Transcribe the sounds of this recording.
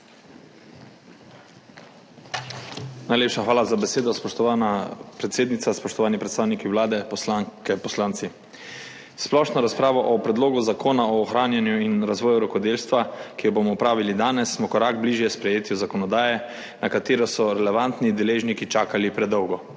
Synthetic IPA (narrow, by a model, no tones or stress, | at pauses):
najleːpʃaxʋaːlazabɛseːd̪ɔspɔʃt̪ɔanapɾɛt̪seːd̪nit̪saspɔʃt̪ɔʋaːnipɾɛt̪saːwnikiwlaːd̪ɛpɔslaŋkɛpɔslaːnt̪si | splɔʃnɔɾaspɾaːʋɔʔɔpɾɛd̪loːɡuzakʰoːnaɔːxɾaːnjanjuinɾazʋɔːjuɾɔkɔd̪eːlst̪ʋakijɔbomɔpɾaːʋilid̪aːnɛsːmɔkɔɾaːɡ̚bliʒjɛspɾɛjeːt̪iuzakɔnɔd̪aːjɛ | nakat̪eːɾɔsɔɾɛlɛʋant̪nid̪ɛleːʒnikit͡ʃaːkalipɾɛd̪ɔwɡɔ